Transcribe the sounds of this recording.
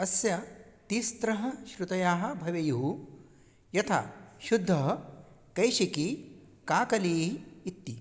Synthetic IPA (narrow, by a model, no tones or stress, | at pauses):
ɐsjɐt̪ist̪ɾɐɦɐ̆ʃɾut̪ɐjaːɦɐ̆bʱɐʋɐjuɦu | jɐt̪ʰa̰ːʃud̪ʱːɐɦɐ | kɐjʃiki | kaːkɐliːɦːt̪ːi